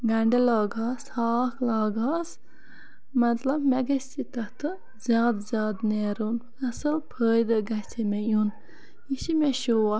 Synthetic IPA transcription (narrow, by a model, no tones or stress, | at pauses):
ɡɐɳɖelaːɡaːshaːkʰlaːɡaːs | mɐt̪lɐbmeɡɐst̪it̪ɐht̪ɨ | zʲjaːd̪zʲjaːd̪neːɾonnɐsɐpʰəːjd̪ɐɡɐsʰemejun | iʃimeʃoːa